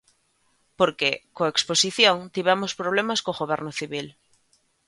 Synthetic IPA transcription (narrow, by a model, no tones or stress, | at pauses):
poɾkekoeksposiθjõŋt̪iβamospɾoβ̞lemaskoɣoβ̞ɛɾnoθiβil